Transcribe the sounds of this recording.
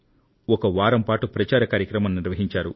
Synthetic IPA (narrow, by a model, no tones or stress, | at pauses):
ɔkɐʋaːɾɐmpaːʈupɾɐt͡ʃaːɾɐkaːɾjɐkɾɐmɐmnniɾʋɐɦiɲt͡ʃaːɾṵ